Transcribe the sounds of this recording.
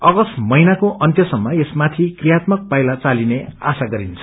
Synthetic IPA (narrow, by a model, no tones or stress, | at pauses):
ʌɡʌsmʌjnakoʔʌnt̪jʌsʌmːʌesmat̪ʰikrijat̪mʌk̚pajlat͡salinea̰saɡʌɾint͡sʰʌ